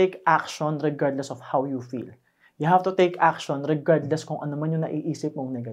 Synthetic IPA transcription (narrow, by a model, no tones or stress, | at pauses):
ekʔak̚ʃɔnɹɛɡaɹd̪lɛsɔv̥hawjufḭl | jʊhav̥t̪ʊt̪ejkʔak̚ʃɔnɹɛɡaɹd̪lɛskʊŋʔɐnomanjʊŋnɐ̰ʔiʔiːsɪp̚moŋnɐɡɐ